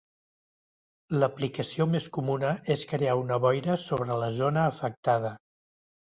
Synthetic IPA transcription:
ləplikəsiomeskumunəʔeskɾeaunəβɔjɾəsoβɾələzonəːfək̚t̪að̞ə

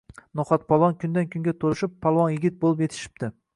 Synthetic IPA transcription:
noχɒt̪̚pʰɒlˠvɒnkʲʰʊnd̪ankʲʰʊŋɡʲat̪ʰoɾɪʃɪpʰːɒlˠwɒnjɪɡʲɪt̪̚bolˠɪpjet̪ʰɪ̥ʃɪ̥p̚d̪ɪ

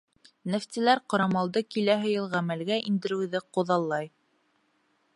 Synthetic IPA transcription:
nɘ̆ft̪ilæɾqŏɾɑmɑlˠd̪ɤkilæɦɘ̆jɤlˠʁæmælɡæʔind̪ɘ̆ɾɘ̆wðɘqŏðɑlˠːɑj

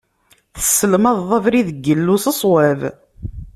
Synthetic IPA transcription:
θə̥sːəlmɑðːˤɑvɾiðəɡːəlːusəsˤwæv

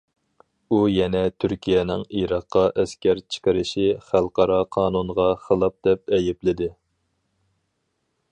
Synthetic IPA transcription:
ujɛnɛt̪ʰyɾkʲʰijɛnɪŋiɾɑqːɑʔɛskʲɛɾt͡ʃʰɪ̥qəɾɪʃiχælˠqʰɑɾɑqʰɑːnunʁɑχəlˠɑp̚d̪̥ɛp̚ɛjɪplɪd̪ɪ

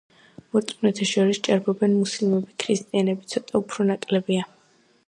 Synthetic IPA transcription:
mɔt̪sʼmnɛt̪ʰaʃɔɾist͡ʃʼaɾbɔbɛnmusilˠmɛbikʰɾist̪ʼianɛbit̪sʰɔt̪ʼaupʰɾɔnakʼlɛbia

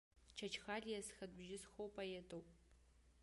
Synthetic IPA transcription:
t͡ʃʰɐt͡ʃʰxaːɮijɛsxɐd̚bʒɪsxowpʼɐjetʰʼowpʼ

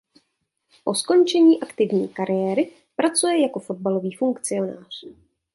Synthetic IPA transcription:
ʔo̞sko̞nt͡ʃɛɲiːʔakt̪ɪvɲḭːkaɾɪjɛːɾɪ | pɾat͡sujɛjako̞fo̞d̚balo̞viːfuŋkt͡sɪo̞na̰ːr̝̥

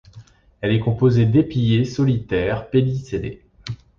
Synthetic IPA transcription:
ɛlɛkɔ̃pozed̪epijesɔlit̪ɛʁpeliselḛ

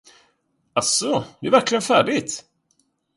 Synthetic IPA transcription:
asɔd̪ɛæɾvæɾklɪɡənfæːɖɪt̪

